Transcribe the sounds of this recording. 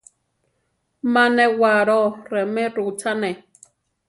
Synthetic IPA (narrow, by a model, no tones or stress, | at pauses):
manɛwaːɾɔɾɛmɛɾut͡sanɛ